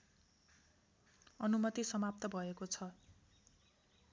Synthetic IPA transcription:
ʌnumʌt̪isʌmap̚t̪ʌbʱʌekot͡sʰʌ

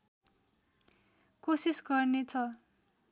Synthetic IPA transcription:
kosisɡʌrnet͡sʰʌ

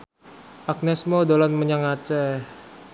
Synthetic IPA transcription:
ak̚nɛsmodolanməɲaŋat͡ʃɛ

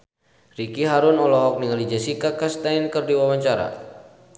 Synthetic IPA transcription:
rikiɦaɾʊnɔlɔɦɔk̚niŋalid͡ʒasikakast̪ainkərdiwawaɲt͡ʃaɾa̰

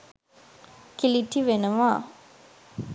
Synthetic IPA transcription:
kiliʈːiʋenəʋaː

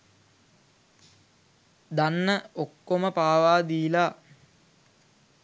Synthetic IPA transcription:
d̪anːəokːoməpaːʋaːd̪iːla

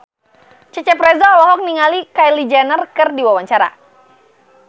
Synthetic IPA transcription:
t͡ʃət͡ʃɛpɾɛzaɔlɔɦɔk̚niŋalikajlid͡ʒanərkɨrdiwawaɲt͡ʃaɾa̰

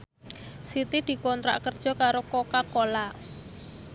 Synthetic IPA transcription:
sit̪id̪̥i̤kɔnt̪ɾa̰ʔkərd̥ʒ̥ɔ̤kaɾokokakola

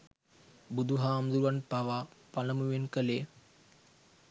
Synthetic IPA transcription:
bud̪uɦaːmd̪uluʋanpaʋapaləmuʋenkəle

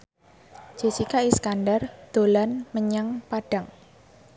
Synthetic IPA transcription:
d͡ʒ̥e̤t͡ʃikaʔiskanɖard̪̥o̤lanməɲaŋpaɖ̥aŋ

